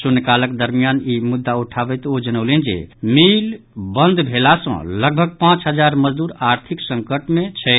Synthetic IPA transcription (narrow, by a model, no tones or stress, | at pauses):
sonekaləkd̪əɾmijanimud̪ːauʈʰabɛt̪od͡ʒənəʊlɛnd͡ʒḛmil | bənd̪ʱbʱelasə̰̃ləɡ̚bʱəɡ̚pãt͡ʃɦəd͡ʒaɾməd͡ʒd̪uɾaɾt̪ʰiksə̃ŋkəʈmẽt͡ʃʰɛ